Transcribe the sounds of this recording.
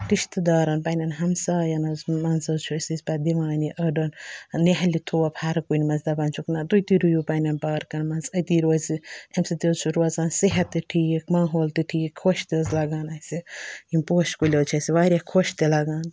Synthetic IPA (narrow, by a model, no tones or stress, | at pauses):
kiʃt̪ɨd̪aːɾɐnpanʲɐnɦɐmsaːjɐnɐzmɐnsɐzt͡ʃʰusisʲpad̪iʋaːniʔɐɖɐnneɦɐlʲit̪ʰuːɐpʰaːɾɐkunʲmɐnzd̪ɐbaːnt͡ʃʰuknat̪ujt̪iɾujupanʲɐnpaːɾkɐnmɐnzɐt̪iːɾoːziɐmsit̪ezt͡ʃʰuɾuɐzaːnsiɦɐt̪ːɨʈʰiːkmaːɦoːlt̪iʈʰiːkʰoʃt̪izlɐɡaːnɐsiimpoːʃkulʲɐt͡ʃʰɐsiʋaːɾʲakʰoʃt̪elɐɡaːn